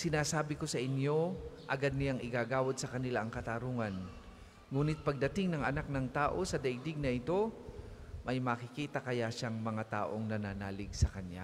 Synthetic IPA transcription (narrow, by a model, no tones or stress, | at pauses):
sɪnaːsaːbɪko̞sɐʔɪnjo̞ʔɐɡad̪̚nɪjaŋɪɡaːɡaːwɐd̪̚sɐkɐnɪlaʔɐŋkɐt̪aɾuːŋɐn | ŋuːnɪt̪̚pɐɡ̚d̪ɐt̪ɪŋnɐŋʔɐnak̚nɐŋt̪aːʔo̞sɐd̪ɐjd̪ɪɡ̚nɐʔɪt̪o̞ | mɐjmɐkɪkiːt̪ɐkɐjaʃaŋmɐŋat̪a̰ːʔo̞ŋnɐnaːnaːlɪɡsɐkɐnja̰